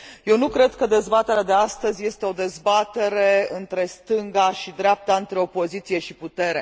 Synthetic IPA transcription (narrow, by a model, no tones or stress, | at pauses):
je̞wnukɾe̞d̪kəd̪e̞zbat̪e̞ɾead̪e̞ast̪əzʲje̞st̪e̞o̞d̪e̞zbat̪e̞ɾe̞ɨnt̪ɾe̞st̪ɨŋɡaʃid̪ɾeap̚t̪aɨnt̪ɾe̞o̞po̞zit̪sije̞ʃiput̪e̞ɾe